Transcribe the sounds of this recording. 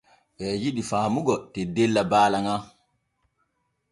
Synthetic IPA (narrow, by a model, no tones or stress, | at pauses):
ɓɛjiɗifaːmuɡɔtɛdɛlːabaːlaŋa